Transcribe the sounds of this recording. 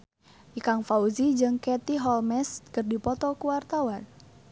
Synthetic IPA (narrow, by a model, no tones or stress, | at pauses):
ʔikaŋfauzid͡ʒɨŋkɛt̪iɦɔlmɛskɨrdipɔt̪ɔkuwart̪awan